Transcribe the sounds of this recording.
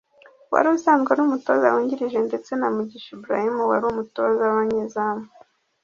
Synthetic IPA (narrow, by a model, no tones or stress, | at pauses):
wa̰ɾuusaːnzɡanumuto̞ːza̰wuːɲɟiɾiʒe̞nde̞t͡se̞namuɟiʃibuɾa̰himuwaɾumutozawaɲezamu